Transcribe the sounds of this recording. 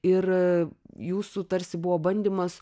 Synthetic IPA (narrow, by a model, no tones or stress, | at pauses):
ɪr | juːsut̪ɐɾʲsʲɪbʊʋoːbɐnʲd̪ʲiːmɐs